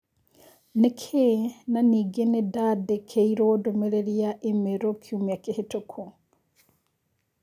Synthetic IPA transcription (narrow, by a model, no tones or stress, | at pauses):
nekʰenaniːɡenedadekʰeiɾodomeɾeɾiaʔemeɾokʰjumiakehetokʰo